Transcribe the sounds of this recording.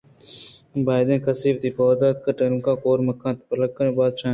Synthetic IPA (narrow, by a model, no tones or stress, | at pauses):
baːjd̪ẽːkəsiːʋt̪iːpoːd̪aːt̪̚kəʈeɾmkaːkoːɾməkʰːãːt̪pələkːəɾẽːbaːd̪ʃãː